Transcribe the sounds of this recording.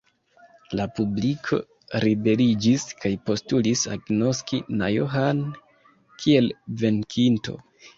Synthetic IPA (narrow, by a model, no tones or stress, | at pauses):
lapublikʰo̞̰ | ɾibe̞lid͡ʒiskajpo̞stulisa̰ɡno̞skina̰joɦan | kʰie̞lve̞nkʰinto̞̰